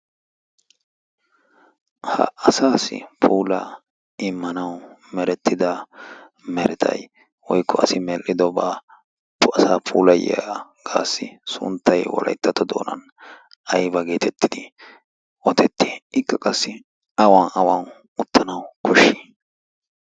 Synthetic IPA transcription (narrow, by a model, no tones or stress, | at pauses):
hɐ̰ʔɐsaːsɪ̰pʰuːlɐ | ɪmːɐnɐw | mɛɾɛt̪ːɪd̪ɐ | mɛɾɛt̪ʰɐ̰j | wɔjkːɔɐsɪmɛlʔɪd̪ɔba | pːɐsaːpʰʼuːlɐjɛaɡ̥aːsːɪsʊ̰nt̪ːɐjwɔ̰lʔɐ̰jt̪ːɐt̪ːɔd̪o̞̰ːnɐ̰n | ɐjbɐɡe̞ːt̪ʰɛt̪ːɪd̪ɪ | ɔt̪ʰɛt̪ʰːeːɪkːɐkʼɐsːɪ | ɐwaːnɐwan | ʊt̪ʰːɐnɐwkʰɔʃːi̥ː